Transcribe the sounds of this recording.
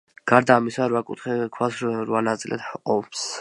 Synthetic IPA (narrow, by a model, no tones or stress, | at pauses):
ɡ̥aɾd̪aːmisaɾwakʼut̪χɛkʰwasɾwanat̪sʼilʔɛ̰t̪ɔps